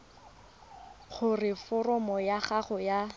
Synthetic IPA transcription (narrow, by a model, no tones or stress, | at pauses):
χʊrɪfɔrɔmɔjaχaχɔja